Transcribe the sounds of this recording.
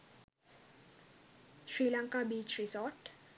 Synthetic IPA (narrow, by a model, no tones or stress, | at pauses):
ʃrilaŋkʼabit͡ʃʰrizɔt